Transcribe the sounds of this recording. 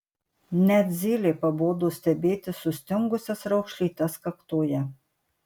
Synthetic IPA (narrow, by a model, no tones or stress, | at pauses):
nɛd̪zʲiːlʲipaboːd̪ust̪ɛbeːt̪ɪsʊst̪ʲoŋɡʊsʲasɾɔwxʃlit̪askakt̪oːjɛ